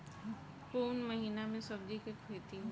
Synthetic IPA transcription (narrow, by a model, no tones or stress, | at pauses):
kuːnməɦiːnamẽsɐb̚d͡ʒikekʰeːt̪i